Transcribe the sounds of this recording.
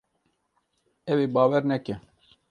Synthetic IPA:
ɛweːbɑːwɛɾnɛkɛ

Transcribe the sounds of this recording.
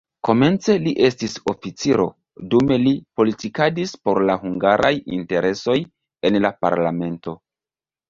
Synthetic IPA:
ko̞me̞nt͡se̞liʔe̞stiso̞fit͡siɾo̞̰ | dume̞lipo̞litikadispo̞ɾlaɦuŋɡaɾʔa̰jḭnte̞ɾʔe̞so̞j | e̞nlapa̰ɾla̰me̞nto̞

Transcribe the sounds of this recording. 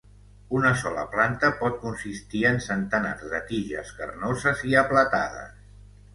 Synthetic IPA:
unəsɔlə̰plant̪əpɔt̪̚kunsist̪iənsənt̪əna̰rzðət̪iʒə̰skə̰rnozəziəplət̪að̞ə̰s

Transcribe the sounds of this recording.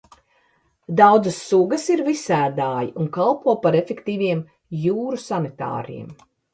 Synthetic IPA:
d̪awd̪zəsːuɡɐsiɾvisæːd̪aːjiʔuŋkalˠpuɔpaɾefʲekt̪iːviɛm | juːɾusanit̪a̰ːɾɛ̰ɛm

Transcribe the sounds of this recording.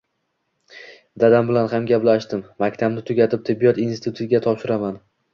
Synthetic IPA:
d̪ad̪ambɪlanhamɡʲaplaʃd̪ɪmmakʲt̪ʰabnɪt̪ʰʊɡʲat̪ʰɪp̚t̪ʰɪbːijɒt̪inst̪ʰʊt̪ʰʊɡʲat̪ʰɒpʃɪɾaman

